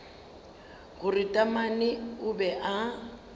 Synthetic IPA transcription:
ɣʊrɪtʼamanɪʊbɛʔa

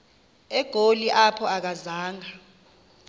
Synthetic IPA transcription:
ɛɡ̥ʱoliʔapʰɔak̬azaːŋa

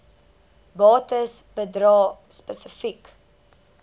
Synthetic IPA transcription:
bɑːtəsbədɾɑːspəsəfik

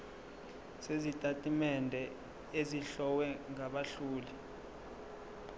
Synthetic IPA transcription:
sezitʼatʼimɛndʱɛ | eziɬɔwɛŋaɓaɬuːli

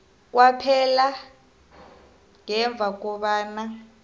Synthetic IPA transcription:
k̬wapʰɛla | ŋɛɱb̪vʱak̬ɔɓaːna

